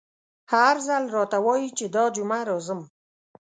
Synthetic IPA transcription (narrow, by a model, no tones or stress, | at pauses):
haɾzalɾɑt̪awɑjit͡ʃed̪ɑd͡ʒʊmaɾɔzəm